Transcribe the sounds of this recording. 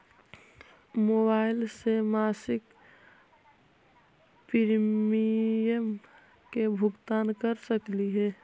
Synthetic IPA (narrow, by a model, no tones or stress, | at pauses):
mobaːɪlsemaːsɪk | pɪɾmiəm | kebʱʊɡt̪aːnkəɾsəkliɦɛː